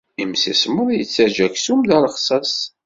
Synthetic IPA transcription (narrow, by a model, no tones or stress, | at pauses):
imsisməðˤjət͡sːæʒæçsumðæɾˤəχsˤɑs